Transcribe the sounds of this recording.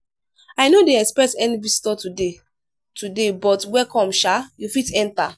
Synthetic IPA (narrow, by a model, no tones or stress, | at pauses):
ajnodeɛkspɹɛtɛnivistɔtude | tʰudebɔtwɛkɔ̃mʃajufitɛ̃nta